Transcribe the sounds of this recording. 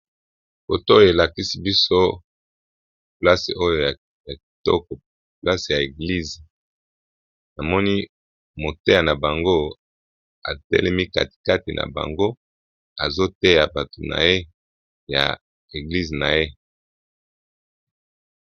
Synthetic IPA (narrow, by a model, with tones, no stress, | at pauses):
ko˨to˦jo˨e˨la˨ki˦si˦bi˦so˦ | pla˦se˨ʔo˦jo˨ja˨ | ja˨ki̥˨tɔ̰˦kɔ˨ | pla˦se˨ja˨e˨ɡli˦˨ze˨ | na˨mɔ˦ni˦ | mo˨te˦ja˨na˨ba˨ŋɡo˦ | a̰˨tɛ̰˦lɛ˦mi˦ka̰˨ti̥˨ka˦ti˨nʔa̰˨ba̰˨ŋɡo˦ | a˨zo˦te˦ja˨ba˨to˨na̰˨je˦ | ja̰˨ | e˨ɡli˦ze˨na˨je˦